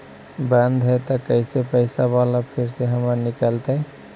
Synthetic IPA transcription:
bə̃nd̪ʱɦət̪ɔkəɪsepəɪsabalapʰiɾseɦəməɾnikəlt̪ə

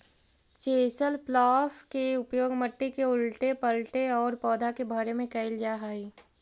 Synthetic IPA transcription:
t͡ʃeːsəlplaːfkeʊpjoːɡməʈːikeʊlʈepɐlʈeɔːɾpɔːd̪ʱakebʱəɾemẽkɐɪld͡ʒaːɦaːi

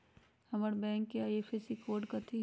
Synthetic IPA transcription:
hɐməɾbɛ̃ːŋkːeaːjefesikoːɖkɐt̪ʰi

